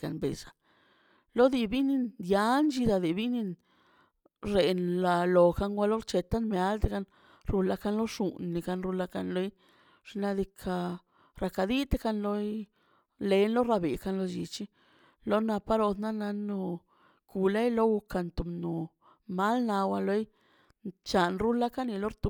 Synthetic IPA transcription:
a˧˨nbḛ˨sḁ˨ | lo˦d̪i˧bi˦ni˧nd̪ja˧˦nd͡ʒi˧d̪a˧d̪i˨bi˦ni˧n | ɾe˨nla˧lo˨ka˧ŋɡʷa˧lo˦ɾt͡ʃe˧t̪a˦nme˧a˦lt̪e˦ka˧n | ɾu˧la˧ka˧nlo˦ʂu˧nːi˨ka˧nɾu˧la˧ka˧nlo˧j | ʐ̥na˧d̪i˧kʰa˧ | ɾa˧ka˧d̪i˦t̪e˦ka˧nlo˧j | le˧˦nlo˦ɾa˧be˨ka˧nlo˧d͡ʒi˧t͡ʃi˦ | lo˦na˧pa˦ɾo˧d̪na˦na˧no˧ | ku˨la˦jlo˦wu˧ka˧nt̪u˨mnu˨ | ma˦lna˧wa˧lo˦j | t͡ʃa˨nɾu˦la˦ka˦ni˧lo˦ɾt̪u˧

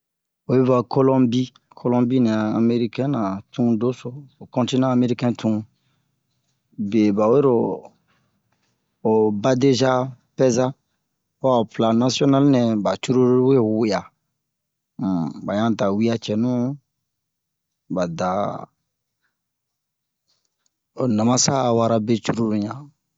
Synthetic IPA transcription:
o˨je˦va˨kʰo˦lɔ̃˦bi˦ | kʰo˦lɔ̃˦bi˦nɛ̃˨a˨a˨me˦ɾi˦kɛ̃˦nã˨tʰũ˦do˦so˨o˨kɔ̃˦ti˦nãː˦˨me˦ɾi˦kɛ̃˦tʰũ˦ | be˨ba˨we˦ɾo˨ | o˨ba˦de˦ʒa˦ | pɛ˦za˦ | a˨o˨pla˨na˦si˦ɔ˦na˦lnɛ̃˨ba˨t͡ʃu˦ɾu˦ɾwe˦˨wo˦ja˨ | ba˨ɲã˦da˨wi˦ja˦t͡ʃɛ˨nũ˦ | ba˨da˨ | o˨nã˨mã˦sa˦˨wa˦ɾa˦be˦t͡ʃu˦ɾu˦ɾu˨ɲã˨

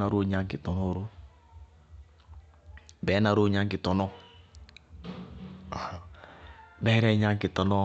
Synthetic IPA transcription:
na˨ɾo˦ɲa˦ŋki˨to˨no˦ɾo˦ | bɛ˨˦na˨ɾo˦ɲa˦ŋki˨to˨nɔ˦˨ | bɛː˦ɾɛ˦ɲa˦ŋki˨tɔ˨nɔ˦

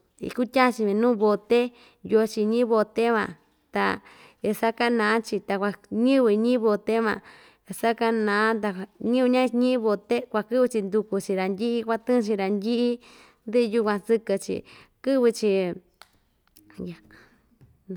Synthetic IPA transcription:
ḭ˧ku˦tʲa˦t͡ʃi˧βĩ˧nũː˦βo˧t̪e˦ | jo˧t͡ʃi˧ɲĩ˦βo˧t̪e˦βã˧ | t̪a̰˧ | e˧sa˦ka˦nã˨˦t͡ʃi˧t̪a˧kʷa˧ɲĩ˦βi˧ɲĩ˦βo˧t̪e˦mã̰˧ | sa˦ka˦nã˨˦t̪a˧ɲĩ˦u˧ɲã˦ɲĩ˦βo˧t̪e˦kʷa˧kɨ˦βɨ˧t͡ʃi˧nd̪u˧ku˧t͡ʃi˧ɾa˨nd̪ʲi˦ʔi˦kʷa˧t̪ɨ̃˦˧t͡ʃi˧ɾa˨ndʲi˦ʔi˦ | nd̪i˦˧ju˧kʷã˧sɨ˧kɨ˧t͡ʃḭ˨kɨ˦βɨ˧t͡ʃi˧ | ja˨

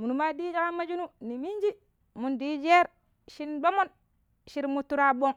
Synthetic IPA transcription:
mu˨nu˨ma˦di˦d͡ʒa˦ka˦ma˦d͡ʒu˦nu˦ni˨mi˦n˦d͡ʒi˦ | mu˨ndiː˦d͡ʒe˦ɾ | ʃi˦ndo˦mo˦n | ʃi˦ɾmu˦tːu˦ɾa˦bo˦ŋ

